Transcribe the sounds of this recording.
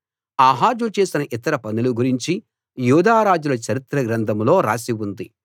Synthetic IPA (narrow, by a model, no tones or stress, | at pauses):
aːɦaːɾd͡ʒut͡ʃe̞ːsinɐʔit̪ɐɾɐpɐnuluɡuɾiɲt͡ʃi | juːd̪ʱaːɾaːd͡ʒulɐt͡ʃɐɾit̪ɾɐɡɾɐnd̪ʰʱɐmlo̞ːɾa̰ːsiʋund̪i